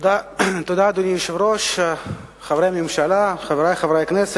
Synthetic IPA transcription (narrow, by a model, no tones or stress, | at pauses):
d̪at̪od̪ad̪onimʃvɾoʃ | χavɾejmimʃalaχaveɾajχavɾajknɛse